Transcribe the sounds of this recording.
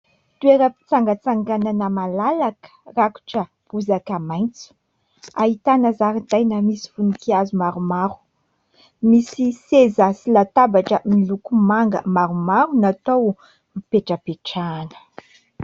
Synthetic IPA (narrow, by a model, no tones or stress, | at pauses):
t̪ueɾəpi̥t͡saŋɡət͡saŋɡananəmalalakə̥raku̥ʈ͡ʂə | puzakamajnt͡su̥ | aɦit̪anəzaɾind̪ajnamisi̥funikiazumaɾumaɾu̥ | misisezəsilat̪abaʈ͡ʂəmilukumaŋɡə̰maɾumaɾunat̪ow | mipeʈ͡ʂəpeʈ͡ʂaːnə̥